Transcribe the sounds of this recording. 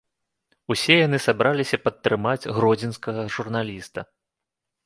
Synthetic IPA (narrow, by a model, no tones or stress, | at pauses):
usʲɛjan̪ɨsabɾalʲisʲɐpɐt̪ːɾɨmad͡zʲɣɾɔd͡zʲinskɐɣɐʐurn̪alʲist̪ɐ